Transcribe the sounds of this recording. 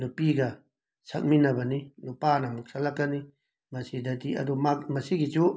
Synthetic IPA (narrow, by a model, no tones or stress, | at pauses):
dupiɡa | sa̰k̚mĩnaβanĩlupanamuksalakanĩ | masid̪ad̪ia̰dumamasiɡit͡ʃu